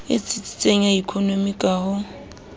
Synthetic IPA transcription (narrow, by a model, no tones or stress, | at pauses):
ɪ̰t͡sʼit͡sʼi̥t͡sʼeŋ̩aikʰonomikʼahʊ